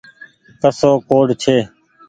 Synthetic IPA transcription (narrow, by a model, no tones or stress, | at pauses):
kəsoːkoːɖt͡ʃʰeː